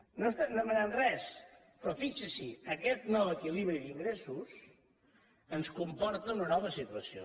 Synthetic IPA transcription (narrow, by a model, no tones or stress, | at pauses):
nost̪anəmənanrɛs | pɾɔfit͡ʃəsiəkɛt̪nɔwəkiliβɾiðiŋɡɾesus | ənskumpɔɾt̪əunənɔβ̞əsit̪uəsio̰